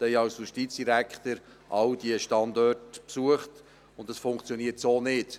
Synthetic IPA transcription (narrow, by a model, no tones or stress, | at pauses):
d̪ɛjɑwsjuʃtit̪t͡sd̥iɾækχt̪əɾ | ʔɑwd̥iəʃtɑnd̪ɔrtpsuəχt | ʊntdɑsfʊŋkt͡sjoniːətsoːnɪd̥